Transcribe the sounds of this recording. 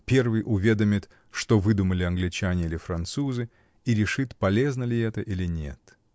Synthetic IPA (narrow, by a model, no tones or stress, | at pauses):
pʲe̞rvɨjʔʊvʲed̪əmʲɪt̪ | ʂt̪ovɨd̪ʊməlʲɪɐnɡlʲɪt͡ɕanʲɪilʲɪfɾɐnt̪suzɨ | iɾʲɪʂɨt̪pɐlʲe̞znəlʲɪɛt̪əʔilʲɪnʲe̞̰t̪